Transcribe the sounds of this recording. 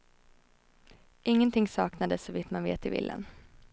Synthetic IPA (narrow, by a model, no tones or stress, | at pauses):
ʔɪŋːənt̪ʰɪŋsɑːknad̪əsɔvɪt̪manvḛːt̪ɪvɪ̰lːʔə̰n